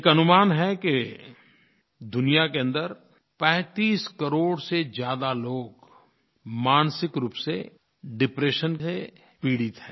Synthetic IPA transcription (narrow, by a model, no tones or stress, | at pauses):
ekɐnʊmaːnɦɛke | d̪ʊnijakeɐ̃nd̪əɾ | pɛ̃ːt̪iːskɐɾoːɽsed͡ʒjaːd̪aloːɡ | maːnsɪkɾuːpse | ɖɪpɾeːʃəne | piːɽɪt̪ɦɛː